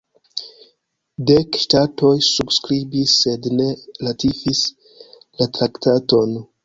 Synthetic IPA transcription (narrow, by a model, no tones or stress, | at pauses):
dekʃtato̞jsubskɾibisːe̞dne̞latifis | latɾaktato̞n